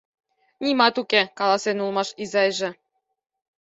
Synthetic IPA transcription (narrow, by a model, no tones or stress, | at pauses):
nʲimɑt̪ukekɑlˠɑsenulˠmɑʃizɑjʒĕ